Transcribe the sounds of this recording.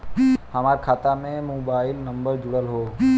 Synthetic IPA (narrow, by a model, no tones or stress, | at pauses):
həmaːɾkʰaːt̪amẽmoːbaːɪlnɐ̃mbəɾd͡ʒʊɽəlɦoː